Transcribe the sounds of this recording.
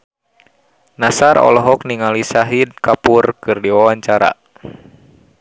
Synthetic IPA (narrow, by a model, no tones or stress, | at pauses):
nasarɔ̰lɔɦɔk̚niŋalisaɦid̚kapurkɨrdiwawaɲt͡ʃaɾa̰